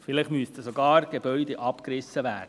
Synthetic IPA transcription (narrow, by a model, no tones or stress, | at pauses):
fɪlɪχmyəst̪əsɔɡɑːɾɡ̥ebœʏd̪eʔɑpkɾɪsːəʋæːd̥ə